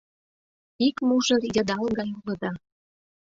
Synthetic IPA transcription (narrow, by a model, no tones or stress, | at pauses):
ikmuʒə̆rjɤ̆d̪ɑlɣɑjulə̆d̪ɑ